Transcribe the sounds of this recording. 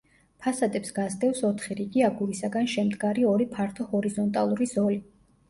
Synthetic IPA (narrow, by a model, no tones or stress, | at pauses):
pʰasad̪ʼɛpsɡ̥azd̪ɛfsɔt̪ʰχiɾiɡiaɡuɾisaɡanʃɛmd̪ɡaɾiɔɾipʰaɾt̪ʰɔhɔɾizɔnt̪ʼalˠuɾiz̥ɔli